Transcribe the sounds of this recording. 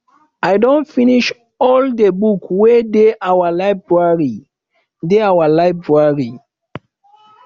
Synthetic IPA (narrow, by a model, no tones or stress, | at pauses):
ajdõnfĩniʃ | ɔldebukwedeʔawalaɪbɹaɹi | deawalaɪbɹaɹi